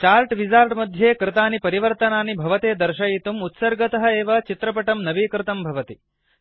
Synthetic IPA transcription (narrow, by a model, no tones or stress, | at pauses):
t͡ʃaːɾʈʋid͡ʒaːɾʈmɐd̪ʱjeːkɾɪt̪aːnipɐɾiʋɐɾt̪ɐnaːnibʱɐʋɐt̪eːd̪ɐɾʃɐjit̪umut̪sɐɾɡɐt̪ɐɦɐeːʋɐt͡ʃit̪ɾɐp̬ɐʈɐmnɐʋikɾɪt̪ɐmbʱɐʋɐt̪i